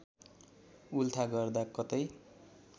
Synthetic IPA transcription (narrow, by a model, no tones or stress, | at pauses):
ult̪ʰaɡʌrd̪akʌt̪ʌj